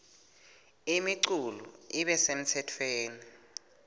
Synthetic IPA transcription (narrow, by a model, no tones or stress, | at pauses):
imiǀuluiɓɛsem̩tʰɛtʰweːni